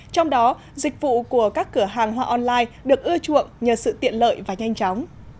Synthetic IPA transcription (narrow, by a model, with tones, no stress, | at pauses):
t͡ɕɔ˧wŋ͡mɗɔ˨˦ | zï˨˩k̟̚vṵ˧˨ku˧˩əkaː˦˥kːɨ˧˩əɦaː˨˩ŋɦwaː˧ʔɔ˧nlaː˧jɗɨ˨˩ək̚ʔɨ˧ət͡ɕṵ˧˨əŋɲəː˨˩sɨ̰˧˨t̪ḭ˧˨ənlə̰ː˧˨jvaː˨˩ɲa˧jŋ̟t͡ɕɔ˨˦wŋ͡m